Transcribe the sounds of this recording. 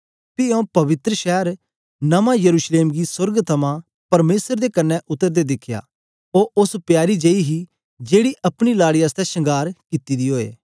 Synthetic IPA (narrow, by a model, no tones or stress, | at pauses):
piõpɐʋɪt̪ɾəʃɛːəɾ | nɐmãjɐɾuːʃleːmɡisʊɾɡt̪ʰɐmã | pɐɾmeːsəɾd̪ekɐnːɛʔʊt̪ːəɾd̪ed̪ɪkʰja̰ː | oːʔʊspjaːɾid͡ʒɐiɦi | d͡ʒeːɽiʔɐpɽ̃ilaːɽiəst̪ɛsɐ̃ŋɡaːɾkɪt̪id̪iɦoːḛː